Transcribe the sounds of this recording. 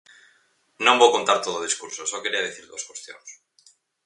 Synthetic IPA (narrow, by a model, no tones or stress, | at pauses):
nõmbowkont̪aɾt̪oð̞oð̞iskuɾsosokeɾiað̞iθiɾðoskwost̪jo̰ŋs